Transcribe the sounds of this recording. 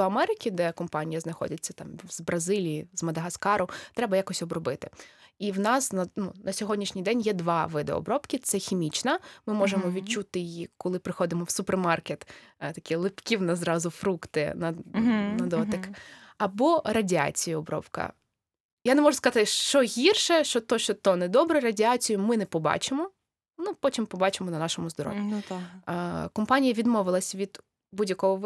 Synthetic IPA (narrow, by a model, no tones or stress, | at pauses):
ɔɐmɛɾɪkʲid̪ɛkɔmpɑnʲijɐznɐxɔ̰dʲɐt͡sʲːɐt̪ɑmz̥bɾɐzɪlʲijizmɐd̪ɐɦɐskɑɾʊt̪ɾɛbɐjakɔsʲɔbɾɔbɪt̪ɪ̥iwnɑsnɐnunɐsʲɔɦɔdʲnʲiʃnʲijd̪ɛnʲjɛd̪ʋɑʋɪd̪eɔ̰ːɔbɾɔpkʲit̪sɛxʲimʲit͡ʃnɐmɪmɔʒemɔʋʲit͡ʃut̪ɪjiːɔlˠɪpɾɪxɔd̪ɪmɔwsʊpermɑrket̪ | t̪ɐkʲilˠɪpkʲiwnɐzɾɑzʊfɾukt̪ɪ̰nɐnɐd̪ɔt̪ɐkɐbɔɾɐdʲiɑ̰t͡sʲijʊɔbɾɔ̰wkɐ̰ | janemɔʒʊskɐzɑt̪ɪʃt͡ʃɔɦʲirʃɛʃt͡ʃɔt̪ɔʃt͡ʃɔt̪ɔnɛd̪ɔbɾɛɾɐdʲiɑt͡sʲijʊmɪnɛpɔbɑ̰t͡ʃɪmɔ | nupɔtʲimpɔbɑt͡ʃemɔnɐnɑʃɔmʊzd̪ɔɾɔ̰ʋʲi | kɔmpɑnʲijɐʋʲid̪mɔʋɪlˠɐsʲʋʲid̪̥ | budʲjɐkɔɦɔ